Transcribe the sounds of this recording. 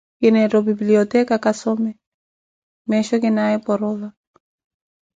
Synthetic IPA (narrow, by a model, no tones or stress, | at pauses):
kinaɾɔbibliɔtɛkakasɔmɛ | mɛʃɔkinaɛpɔɾɔβa